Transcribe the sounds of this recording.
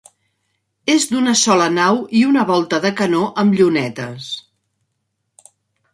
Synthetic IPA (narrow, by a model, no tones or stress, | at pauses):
ezd̪unəsɔlənawiunəβɔlˠt̪əðəkənoʔəmʎunɛt̪əs